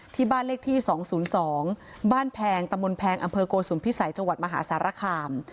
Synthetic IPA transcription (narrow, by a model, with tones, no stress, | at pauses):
t̪ʰiː˧˥˩baː˥˩nleː˦˥˩k̚t̪ʰiː˥˩sɔː˩˦ŋsuː˩˦nsɔː˩˦ŋ | baː˥˩npʰɛː˧ŋt̪a˧mbo˧npʰɛː˧ŋʔa˧mpʰɤː˧koː˧suː˨˩˦npʰi˦˥sa˩˦jt͡ɕa˧ŋwa˨˩t̪̚ma˧ɦa̰ː˩˦saː˩˦ɾa˧kʰaː˧m